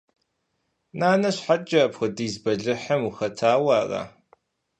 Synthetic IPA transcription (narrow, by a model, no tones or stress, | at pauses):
naːnɐɕħad͡ʒɐːpxʷʊdiːzbɐɮɨħɐmuxɐtʰaːwaːra̰